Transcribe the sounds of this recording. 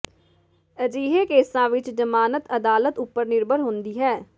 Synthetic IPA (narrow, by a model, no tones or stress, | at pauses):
əd͡ʒiːɦeːkeːsãːʋɪt͡ʃd͡ʒəmaːnət̪əd̪aːlət̪ʊpːəɾnɪɾbʱəɾɦʊ̃nd̪iːɦɛː